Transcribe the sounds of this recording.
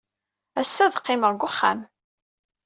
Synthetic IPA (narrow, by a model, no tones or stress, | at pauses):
æsːæðqːɪməʁɡʷʊχːa̰m